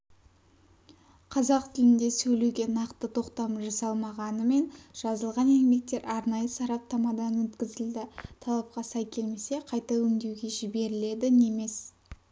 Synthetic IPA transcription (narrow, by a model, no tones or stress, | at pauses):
qʰɑzɑqt̪ʰɪlɪnd̪e̞sɵjlewɡʲe̞nɑqt̪ət̪ʰo̞qt̪ɑmʒɑsɑlˠmɑʁɑnəme̞nʒ̥ɑzəlˠʁɑnenme̞k̚t̪e̞ɾɑɾnɑjəsɑɾɑp̚t̪ɑmɑd̪ɑnwɵt̪kʲɪzɪld̪ɪt̪ʰɑlˠɑp̚qɑsɑjkʲʰe̞lme̞se̞qʰɑjt̪ɑwɵʏŋd̪e̞wɡʲe̞ʒɪbe̞ɾɪle̞d̪ɪne̞me̞s